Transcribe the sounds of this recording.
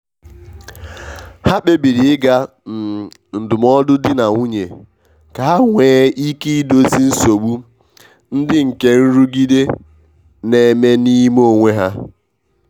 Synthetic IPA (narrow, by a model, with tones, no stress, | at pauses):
ha˦ɓe˦bi˨ɾi˨ɪ˦ɡa˦ | n̩˨n̩˨dʊ˨m˦ɔ˦dʊ˦dɪ˦na˨ŋʷu˦ɲe˨ | ka˨a˦ŋʷeː˨˦i˦ki˦i˦do˦si˦n̩˦so˨ɡ͡bu˦ | n̩˦dɪ˦ŋ̩˨ke˦n̩˦ɾu˦ɡi˦de˦ | ne˨me˦ni˦mo˦˨ŋʷe˦ɦa˦